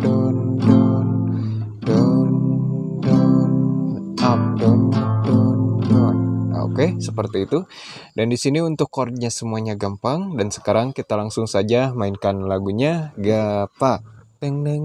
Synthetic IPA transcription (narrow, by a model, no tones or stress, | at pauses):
dɔndɔn | dɔn | dɔn | ap̚dɔnap̚dɔndɔno̰kesəpərt̪iːt̪u | dandisiniunt̪ʊkːɔrd̚ɲasəmuaɲaɡampaŋdansə̥kaɾaŋkit̪alaŋsʊŋsad͡ʒamaɪnkanlaɡuɲaɡapaʔt̪ɛŋnɛ